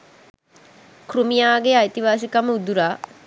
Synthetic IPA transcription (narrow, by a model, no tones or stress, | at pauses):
krumijaːɡeajt̪iʋaːs̬ikaməud̪uɾaː